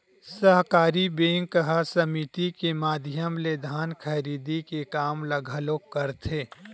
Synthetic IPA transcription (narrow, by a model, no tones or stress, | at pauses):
səɦkaːɾibeːŋkəɦasəmit̪ikemaːd̪ʱjəmled̪ʱaːnkʰɐɾiːd̪ikekaːmləɡʱəlokəɾt̪ʰeː